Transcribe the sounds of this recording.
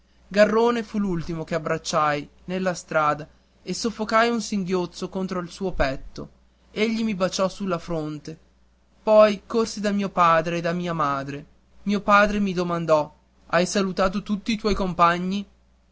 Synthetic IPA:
ɡarːoːnefulult̪imokeabɾat͡ʃːajnelːast̪ɾaːd̪a | esofːokajunsiŋɡjot̪sokont̪ɾoilsuːopɛt̪ːo̰ | eʎːimibat͡ʃɔsulːafɾont̪e | pɔjkorsid̪amiːopaːd̪ɾeːd̪amiːamaːd̪ɾe | miopaːd̪ɾemid̪omand̪ɔ | ajsalut̪aːt̪̬ot̪ut̪ːiːt̪wɔjkompaɲːi

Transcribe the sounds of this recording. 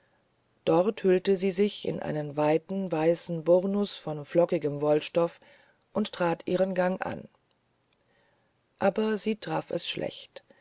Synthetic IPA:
d̥ɔʁthʏltəziːzɪçɪ̰nʔa̰ɪnənvaɪtn̩vaɪsn̩bʊʁnʊsfɔnflɔkɪɡəmvɔlʃtɔf | ʔʊnttʁ̥aːtʰʔiːʁənɡaŋʔa̰n | ʔaːbɐziːtʁ̥aːfɛ̰sʃlʔɛ̰çt

